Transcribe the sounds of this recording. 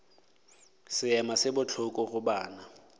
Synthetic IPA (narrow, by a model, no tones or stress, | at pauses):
sɪɛmasɪbʊt͡ɬʰʊkʼɔɣʊbaːna